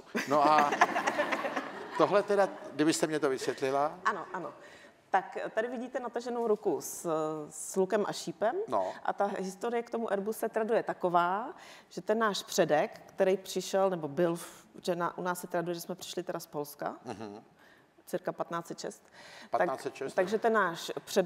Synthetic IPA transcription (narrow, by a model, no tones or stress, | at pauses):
noʔa | t̪oɦlɛt̪ɛdaɡdɪbɪst̪ɛmɲɛt̪ovɪsvjɛt̪lɪlaʔano̞ʔano̞ | t̪akt̪adɪvɪɟiːt̪ɛnat̪aʒɛnowɾukus | lukɛmʔa̰ʃiːpɛmno̰ʔa̰t̪aɦɪst̪oɾɪjɛkt̪omuʔɛɾbusɛt̪ɾadujɛt̪ako̞vaː | ʒ̥ɛt̪ɛnːaːʃpr̥ɛdɛkːt̪ɛɾɛjpr̥ɪʃɛlnɛbobɪlʒɛna̰ʔunaːssɛt̪ɾadujɛʒɛsmɛpr̥ɪ̥ʃlɪt̪ɛɾaspo̞lska̰ɦ̩ | t͡sɪɾkapat̪naːt͡sɛt̪ʃɛ̰st̪aat͡sɛt̪ɛt̪aɡʒɛt̪ɛnːaːʃpr̥ɛ